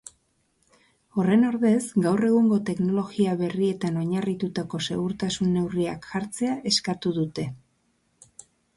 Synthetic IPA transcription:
o̞re̞no̞ɾðe̞zɡawre̞ɣ̞uŋɡo̞t̪e̞kno̞lo̞ɣiaβe̞rie̞t̪ano̞ɲarit̪ut̪ako̞se̞ɣuɾt̪asunːe̞wriakʝaɾt͡se̞aʔe̞skat̪uð̞ut̪e̞

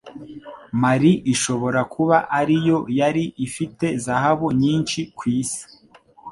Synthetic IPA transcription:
maɾiʔiʃo̞βo̞ɾakuβaʔaɾijo̞jaɾiʔifite̞zahaβuɲiːnʃikwiːsi̥

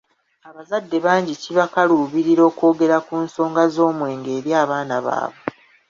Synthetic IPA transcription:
aβazadːe̞βaːɲɟiciβakaluːβiɾiɾo̞ːko̞ːɡe̞ɾakunso̞ːŋɡazo̞ːmwe̞ːŋɡe̞ːɾjaːβaːnaβa̰ːβwe

